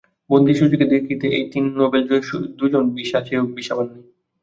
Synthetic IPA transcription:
bond̪ʱiʃud͡ʑoked̪ekʰit̪eʔejt̪inːobeloud̪ud͡ʑonbiʃaʃeɦok̚biʃabanːi

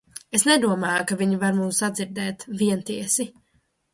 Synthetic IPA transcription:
esnɛd̪uɔmaːjkaviɲivaɾmumsːad̪ziɾd̪ɛːt̪viɛnt̪iɛsi

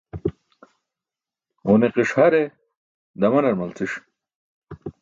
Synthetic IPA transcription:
ʁuneqiʂhɐɾe | d̪ɐmɐnɐɾmɐlt͡sʰiʂ

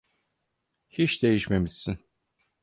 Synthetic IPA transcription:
hit͡ʃd̪e̞jiʃme̞miz̥sin

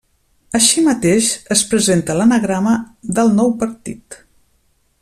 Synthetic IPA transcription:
əʃimət̪eʃəspɾəzent̪ələnəɣɾaməðəlˠnɔwpəɾt̪ḭt̪

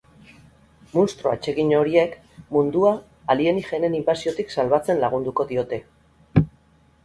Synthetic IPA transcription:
munst̪ɾo̞at͡ʃe̞ɣiɲo̞ɾie̞k | mund̪uaː | lie̞nixe̞ne̞nimbasio̞t̪iksalβat͡se̞nlaɣ̞und̪uko̞ðio̞t̪e̞

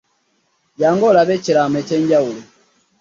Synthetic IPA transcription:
ɟaːŋɡolaβecilameceːɲɟawuli

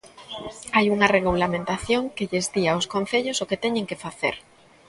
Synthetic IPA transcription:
ajuŋareɣ̞ulamẽnt̪aθjoŋkeʎezdiaoskõnθeʎosoket̪ɛɲẽŋkefaθḛɾ

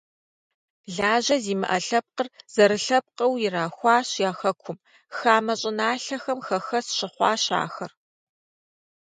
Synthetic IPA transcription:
ɮaːʑɐziːmɨ̰ʔɐɬɐp̚qərz̥ɐɾɨɬɐp̚qɐwjɪɾaːxʷɑːɕjaːxɐkʷʰʊm | xaːmɐɕʼɪnaːɬɐxɐmxɐxɐsɕɪχʷɑ̰ːɕa̰ːxɐr

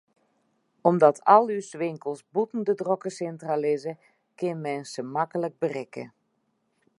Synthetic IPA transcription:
ɔmdɔtʰɔlˠysʋɪŋkəlˠsbutn̩dədrokəsɛntralɪzə | kɪnmɛnsəmakələk̚bərɪkə̰

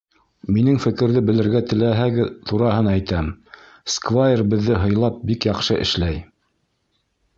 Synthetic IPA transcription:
minɘŋfɘ̆kɘ̆ɾðɘbɘ̆lɘ̆ɾɡæt̪ɘ̆læɦæɡɘt̪uɾɑɦɤnæjt̪æm | skvajerbɘ̆ðːɘɦɤ̆jlˠɑp̚bikjɑqʃɤʔɘ̰̆ʃlæj

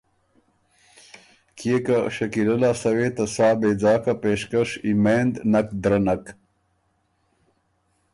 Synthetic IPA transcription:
kʰiekaɕɐkilɐlasɐwet̪ɐsaːbeːd͡zɑːkapeːʂkɐʂimeːnd̪nɐk̚d̪ɾɐnɐk

